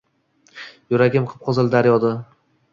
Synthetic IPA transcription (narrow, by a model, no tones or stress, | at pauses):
jʊɾaɡʲɪmqʰɨ̥p̚qʰɒzɪld̪aɾjɒd̪a